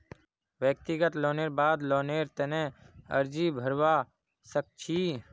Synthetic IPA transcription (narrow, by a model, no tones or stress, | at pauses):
ʋjək̚t̪ɪɡət̪loːneːɾbaːd̪loːneːɾt̪ɛnẽːə̰ɾd͡ʒiːbʱəɾwaː | sək̚t͡ʃʰiː